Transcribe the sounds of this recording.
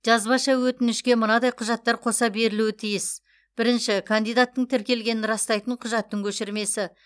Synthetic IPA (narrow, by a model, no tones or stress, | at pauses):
ʒ̥ɑzbɑʃɑwɵt̪ɪnɪʃkʲe̞mənɑd̪ɑjqʰʊʒɑt̪ːɑɾqʰo̞sɑbe̞ɾɪluwɪt̪ʰijɪs | b̥ɪɾɪnʃɪkʰand̪ijd̪at̪ːəɴt̪ʰɪɾkʲe̞lɡʲe̞nɪnɾɑst̪ɑjt̪əɴqʰʊʒɑt̪ːəŋkʲʰɵʃɪɾme̞sɪ